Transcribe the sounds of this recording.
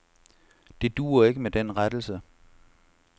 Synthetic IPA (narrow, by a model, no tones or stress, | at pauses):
d̥e̝d̥ṵːɐe̝ɡ̥əmed̥enʁad̥l̩sə